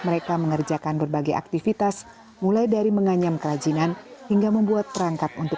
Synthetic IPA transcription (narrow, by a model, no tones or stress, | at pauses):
məɾekaməŋərd͡ʒakanbərbaɡaja̰k̚t̪ifit̪as | mulajdaɾiməŋaɲamkəɾad͡ʒinanhiŋɡaməmbuat̪̚ːəɾaŋkat̪̚unt̪ʊ